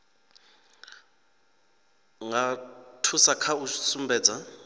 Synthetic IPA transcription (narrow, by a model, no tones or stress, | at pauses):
ŋatʰusakʰausumbɛːd͡za